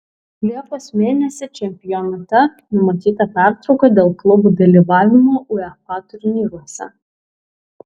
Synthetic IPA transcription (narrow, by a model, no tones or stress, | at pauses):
lʲiɛkoːsmʲeːnʲɛsʲɪt͡ʃʲɛmʲpʲɪjɔnɐt̪ʲɛ | nʊmɐt̪ʲiːt̪ɐpʲæˑɾt̪ɾɒʊkɐd̪ʲeːlˠklˠʊbuːd̪ɐlʲiʋɑːʋʲɪmoːʔʊɛkɑːt̪ʊɾʲɪnʲiːɾuɔsʲɐ̰